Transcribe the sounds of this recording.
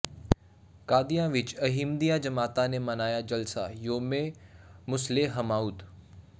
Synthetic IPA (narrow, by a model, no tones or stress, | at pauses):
kaːd̪ijãʋɪt͡ʃɐɦimd̪ijad͡ʒɐmaːt̪anemɐnaːjad͡ʒɐlsa̰joːmemʊsleɦɐmaːud̪